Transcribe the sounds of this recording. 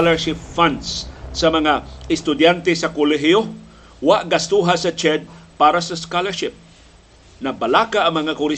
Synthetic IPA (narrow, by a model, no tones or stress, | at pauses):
lɛɹʃɪpfansːɐmɐŋaɪst̪ʊd̪jant̪ɛsɐkʊlɛɦɪjo | waʔɡast̪uɦasɐt͡ʃɛd̪̚paːɾasɐskalɛɹʃɪp̚ | nɐbalaːkaʔːŋmɐŋakʊlɪ